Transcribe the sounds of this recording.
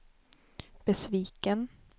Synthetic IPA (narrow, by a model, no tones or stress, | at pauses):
b̥ɛsviːkən